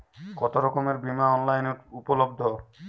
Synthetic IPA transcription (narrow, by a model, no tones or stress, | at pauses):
kɔt̪oɾɔkomeɾbimaɔnlajneɾupolobd̪ʱo